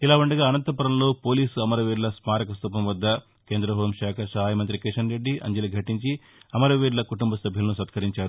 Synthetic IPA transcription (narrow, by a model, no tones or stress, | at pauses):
ilaːʋuɳɖɐɡaːɐnɐnt̪ɐpuɾɐmlo̞ːpo̞ːliːsuɐmɐɾɐʋiːɖlɐsmaːɾɐkɐst̪uːpɐmʋɐd̪ːɐ | ke̞ːnd̪ɾɐɦoːmʃaːkʰɐɾsɐːajmɐnt̪ɾikiʂɐnɾe̞ɖːiʔɐ̰ɲd͡ʒɐliɡʱɐʈiɲt͡ʃi | ɐmɐɾɐʋiːɖlɐkuʈumbɐsɐbʱjulɐnusɐt̪kʰɐɾiɲt͡ʃaːɾu